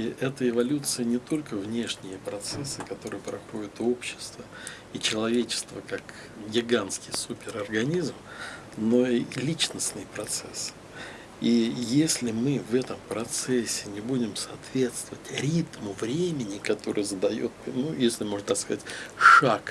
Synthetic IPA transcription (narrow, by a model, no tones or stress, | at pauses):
iʔɛt̪əɪvɐlʲut̪sɨjənʲɪt̪o̞lʲkəvnʲe̞ʂnʲɪjəpɾɐt̪sɛsːɨkɐt̪o̞ɾɨjəpɾɐxo̞dʲɪt̪o̞pɕːɪ̥st̪və | it͡ɕɪlˠɐvʲet͡ɕɪ̥st̪vəkak | ɡʲɪɡanskʲɪjsupʲɪɾɐrɡɐnʲizm | noilʲit͡ɕnəsʲnɨjpɾɐt̪sɛs | ijesʲlʲɪmɨvɛt̪əmpɾɐt̪sɛsʲːɪnʲɪbudʲɪmsɐːt̪vʲe̞t̪st̪vəvətʲɾʲit̪mʊvɾʲemʲɪnʲɪkɐt̪o̞ɾɨ̰jəzəd̪ɐjo̰t̪̚nujesʲlʲɪmo̞ʐnt̪akskɐzatʲʂak